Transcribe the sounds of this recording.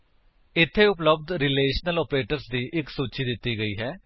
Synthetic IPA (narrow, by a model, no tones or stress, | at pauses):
ɪt̪ʰːeːʊpləb̚d̪ɾɪleːʃnəlɔːpɾeːʈəɾsd̪iːʔɪksuːt͡ʃiːd̪ɪt̪ːiːɡəiːɦɛː